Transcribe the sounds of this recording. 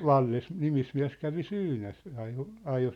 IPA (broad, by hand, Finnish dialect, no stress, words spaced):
no ʋɑlːes nimismiæ̝s kæʋi syːnæs ɑjo ɑjo